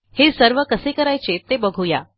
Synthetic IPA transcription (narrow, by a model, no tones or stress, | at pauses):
hesəɾʋəkəsekəɾajt͡ɕet̪ebəɡʱuja̰